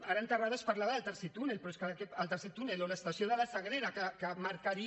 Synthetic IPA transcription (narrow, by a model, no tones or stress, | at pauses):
aɾəːnt̪əraðəspaɾlaβaðəlˠt̪əɾset̪unelpɾɔeskəkɛəlˠt̪əɾset̪uneloləst̪asioðələsəɣ̞ɾeɾakəkəmaɾkaɾi